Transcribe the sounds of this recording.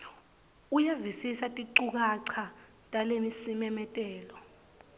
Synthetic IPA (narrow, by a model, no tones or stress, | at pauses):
ujevisisatʼiǀuk̬aǀʰa | tʼalemisimɛmɛtʼɛːlɔ